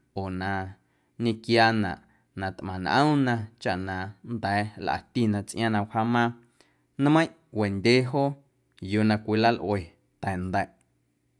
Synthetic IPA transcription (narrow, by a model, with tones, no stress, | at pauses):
oː˨nã˧ | ɲĩ˧kjaː˧nã̰˨ʔ | nã˧t̪ʔmã˨nʔə̰̃˦nã˧t͡ʃa˧ʔnã˧nd̪ɛ˨˦lʔa̰˨t̪i˧˨nã˧t͡sʔj̃ã˧nã˧wha˦mã˦˧ | n˦mə̃˦j̃ʔwe˨nd̪ʲe˦ɦo˦ | jo˧nã˧kʷi˧la˦lʔwe˨ | t̪ɛ̃˨nd̪ɛ˨ʔ